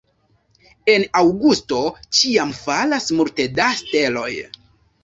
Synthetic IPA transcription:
e̞nawɡusto̞t͡ʃiamfalasmulte̞daste̞lo̞j

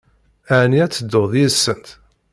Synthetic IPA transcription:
æʕniæt͡sːəd̪ːoðˤisːənt̪

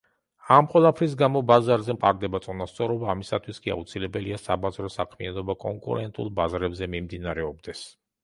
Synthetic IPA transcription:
amqʼwɛlˠapʰɾis̬ɡamɔbazaɾzɛmqʼa̰ɾd̪ɛbat̪sʼunast̪sʼɔɾɔbaːmisat̪ʰwiskʼia̰ut̪sʰilɛbɛliasabazɾɔsakʰmianɔbakʼɔŋkʼṵɾɛnt̪ʼṵlˠbazɾɛbzɛmimd̪inaɾɛɔbd̪ɛs

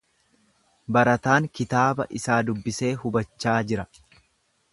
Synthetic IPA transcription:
bɐɾɐt̪aːŋkɪt̪aːbɐ̰ʔɪsaːd̪ʊbːɪse̞ːhʊbɐt͡ʃːaːd͡ʒɪɾɐ

